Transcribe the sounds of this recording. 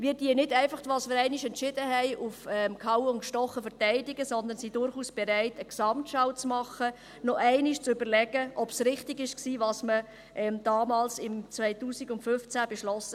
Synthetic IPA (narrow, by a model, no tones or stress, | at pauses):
mɪːdiːənɪdæɪfɑχtʋɑːsmɪːɾɛɪnɪʃɛntʃɪd̥əɦɛɪʔufɛmkʰɑʊʊnʃtɔχəfəɾtɛɪdɪɡəsɔnd̪ənsidʊɾχuːsb̥ɛɾæɪtəksɑmtʃɑʊt͡smɑχə | nɔʔæɪnɪʃt͡sʏb̥əɾlɛɡ̥əʔɔpsɾɪχtɪɡɪʃksiːvɑːsmə | ʔɛmd̥ɑːmɑːlsɪmt͡svɛɪtuːsɪɡʊntfʏft͡sæb̥ɛʃlɔsə